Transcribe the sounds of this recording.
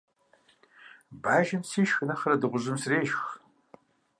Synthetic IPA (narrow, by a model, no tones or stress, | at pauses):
baːʒɐmsiːʃxɨnɐχɐɾɐdɨʁʷʊʑɨmsreːʒx